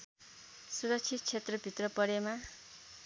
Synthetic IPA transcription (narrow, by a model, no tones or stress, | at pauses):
suɾʌk̚t͡sʰit̪̚t͡sʰet̪rʌbʱit̪rʌpʌɾema